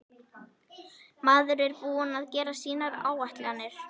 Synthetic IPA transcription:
maːðʏɾɛɾpuːʏnaðcɛːɾasiːnaɾaːwaht̪lɛanːɪɾ̥

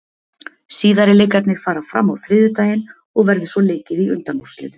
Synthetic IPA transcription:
siːðaɾɪleːjkat̪nɪɣfaːɾafɾa̰mːawfɾɪːðʏt̪aːjɪn | ɔɣvɛɾðɪsvɔleːcɪðiʏ̰nt̪anɔ̥slɪ̰nɪ

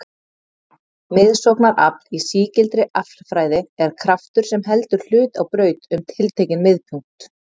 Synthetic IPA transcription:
mɪðsɔwknaɾa̰plisiːcɪlt̪ɾɪʔaflfɾaːjðɪɛɾ̥kʰɾaft̪ʏɾ̥sɛmɦɛlt̪ʏɾ̥l̥ʏːt̪awpɾœːɥt̪ʏmt̪ʰɪlt̪ʰejcɪnmɪðpʰʏŋ̥kt̪

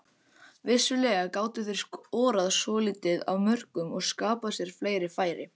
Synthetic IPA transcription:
vɪsːʏlɛːɣakaːwt̪ɪθɪr̥skɔːɾaðsɔːliːt̪ɪða̰wmœr̥kʏmɔɣskaːpasjɛɾ̥fleːjɾɪfaːjɾɪ̰

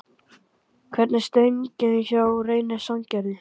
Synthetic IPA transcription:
kʰvɛɾt̪nast̪œɥɲcɪðɪçawreːjnasawɲcɛɾðɪ

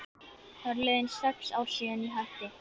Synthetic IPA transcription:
θaɾleːðɪnsɛksawsiːɪniɦaht̪ɪ

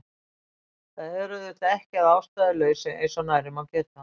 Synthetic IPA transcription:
θaðɛɾʏðɪht̪aɛhcɪaðaːwst̪aðɪlœɥsɛḛjsɔnaːjɾɪmawcɛːt̪a

